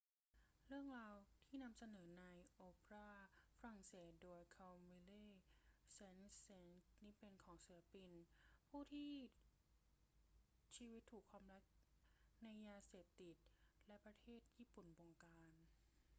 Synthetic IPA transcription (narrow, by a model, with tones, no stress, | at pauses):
ɾɯ˥˩əŋɾaː˧wt̪ʰiː˥˩na˧msa˧nɤː˩˦na˧jʔoː˧pɾaː˥˩fa˧ɾa˨˩ŋseː˨˩˦t̪̚doː˧jkʰa˧wmi˧leː˥˩sɛ˧˥nse˧nni˦˥pe˧nkʰɔː˩˦ŋsiː˩˦la˦˧pi˧npʰuː˥˩t̪ʰiː˥˩ | t͡ɕiː˧wi˦˥t̪ʰːuː˨˩kʰwaː˧mɾa˦˥k̚ | na˧jːaː˧seː˨˩p̚t̪i˨˩t̪̚lɛ˦˥pɾa˧t̪ʰeː˥˩t̪̚jiː˥˩pu˨˩nbo˧ŋkaː˧n